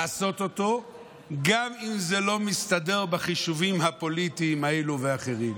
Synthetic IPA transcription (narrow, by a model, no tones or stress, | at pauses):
aso̞t̪o̞t̪o̞ | ɡamimzelo̞mist̪ade̞ʁbaχiʃuvimhapo̞lit̪iːmaeluveaχeʁim